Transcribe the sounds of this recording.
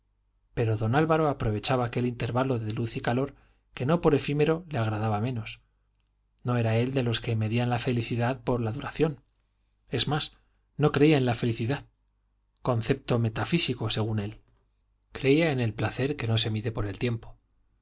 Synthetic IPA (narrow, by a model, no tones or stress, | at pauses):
pe̞ɾo̞ðo̞nalβaɾo̞apɾo̞β̞e̞t͡ʃaβaːke̞lint̪e̞ɾβalo̞ðe̞luθikalo̞ɾ | ke̞no̞po̞ɾe̞fime̞ɾo̞le̞aɣ̞ɾaðaβamẽ̞no̞s | no̞e̞ɾae̞ld̪e̞lo̞ske̞me̞ðianlafe̞liθiðaðpo̞ɾlaðuɾaθjo̞n | e̞zmas | no̞kɾe̞iaenlafe̞liθiðað | ko̞nθe̞p̚t̪o̞me̞t̪afisiko̞se̞ɣ̞une̞l | kɾe̞iae̞ne̞lplaθe̞ɾke̞no̞se̞miðe̞po̞ɾe̞lt̪je̞mpo